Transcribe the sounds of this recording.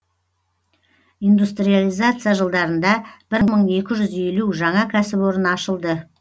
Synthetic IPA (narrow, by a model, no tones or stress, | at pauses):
ind̪ust̪rijalˠijzat̪sɨjaʒəlˠd̪ɑɾənd̪ɑb̥ɪɾɴməɴe̞kʲɪʒʏze̞luʒɑɴɑkʲʰæsɪpo̞ɾənɑʃəlˠd̪ə